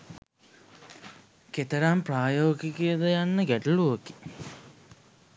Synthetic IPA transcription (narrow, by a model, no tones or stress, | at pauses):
ket̪əɾampraːjoːɡikejəd̪əjanːəɡæʈəluəki̥